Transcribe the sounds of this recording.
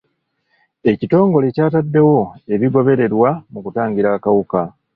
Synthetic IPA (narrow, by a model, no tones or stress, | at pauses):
e̞cito̞ːŋɡo̞lecaːtadːe̞wo̞e̞βiɡo̞βe̞ɾe̞ɾwamukutaːɲɟiɾakawuka